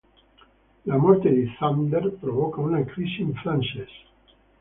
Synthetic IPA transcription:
lamoɾt̪eðeθand̪eɾpɾoβokaunakɾisiẽɱfɾanses

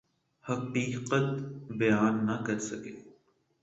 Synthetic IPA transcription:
hɐqiːqət̪bɐjaːnːɐkɐɾsɐkeː

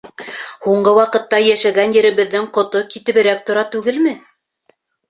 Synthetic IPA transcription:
huɴɢɤwɑqɤ̆t̪ːɑjæʃæɡænjɘ̆ɾɘ̆βɘ̆ðːɘŋqŏt̪okit̪ɘ̆βɘ̆ɾæk̚t̪ŏɾɑt̪ʉɡɘlmɘ

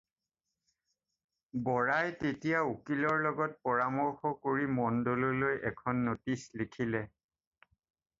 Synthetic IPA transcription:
bɔɹajtetijaukilɔɹlɔɡɔt̚pɔɹamɔɹxɔkoɹimɔndolɔlojʔɛkʰɔnːotislikʰilɛ

